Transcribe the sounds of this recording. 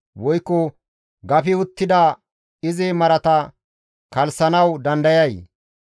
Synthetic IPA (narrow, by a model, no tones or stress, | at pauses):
wɔjkːɔ | ɡɐfɪʊt̪ːɪd̪ɐ | ɪzɪmɐɾɐt̪ɐ | kɐlsɐnɐwd̪ɐnd̪ɐjɐj